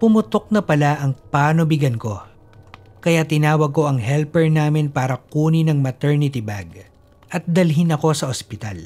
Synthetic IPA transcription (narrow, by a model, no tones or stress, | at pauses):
pʊmʊt̪ok̚nɐpɐlaʔɐŋpaːnobɪɡɐnko̞ | kɐjat̪ɪnaːwɐɡ̚ko̞ʔɐŋɦɛlpɛɹnaːmɪnpaːɾɐkuːnɪnɐŋmɐt̪ɛɹnɪt̪ɪbaɡ | ʔɐt̪̚d̪ɐlɦɪnɐko̞sɐʔospɪt̪a̰l